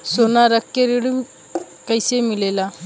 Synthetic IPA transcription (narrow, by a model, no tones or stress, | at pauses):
sonaɾəkjeɾiɽu | kəjsemilela